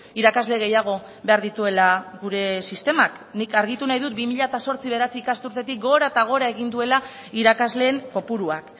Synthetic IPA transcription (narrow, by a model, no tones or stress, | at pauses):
iɾakazle̞ɣe̞jaɣ̞o̞ | be̞aɾðit̪ue̞laɣuɾe̞sist̪e̞mak | nikaɾɣ̞it̪unajðut̪̚bimiʎat̪aso̞ɾt͡siβe̞ɾat͡siːkast̪uɾt̪e̞t̪ik̚ɡo̞ɾaet̪aɣ̞o̞ɾae̞ɣ̞ind̪ue̞la | iɾakazle̞ːmpo̞puɾuak